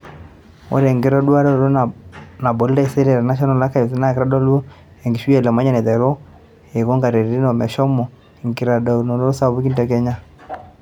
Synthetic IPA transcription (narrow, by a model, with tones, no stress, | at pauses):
o̰˦ɾɛ˨ŋɡe˦ɾɔ˦dwa˦ɾɔ˦˨ɾo˦na˨bɔ˨li˦ɾa˦i˨sɛ˦ɾɛ˨ɾa˨na˦ʃ̬ɔ˦na˨la˦ka˦˨˦na˦˨kɾa˦dɔ˦lu˦ | ɛ˨ŋɡi˨ʃwi˦ɛ˨lɛ˨ma˦ɲɛ˦nɛ˨ðɛ˨ɾɔ˦ | e˨kɔ˦ŋɡa˨ɾe˨ɾi˨ɾi˦nɔ˨mɛ˨ʃɔ˦mɔ˨ | ŋɡi˨ɾa˨dɔ˨nɔ˨ɾo˦ɾo˦sa˦βu˦ki˦ndɛ˨kɛ˦ɲa˦